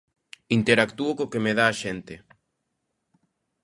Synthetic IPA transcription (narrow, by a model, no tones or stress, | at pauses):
int̪eɾakt̪uokokemeðaːʃent̪e